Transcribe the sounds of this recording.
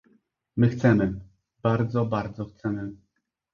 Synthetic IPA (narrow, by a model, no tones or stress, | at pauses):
mɘxt̪sɛmɘ | b̥aɾd̪zɔbaɾd̪zɔxt̪sɛmɘ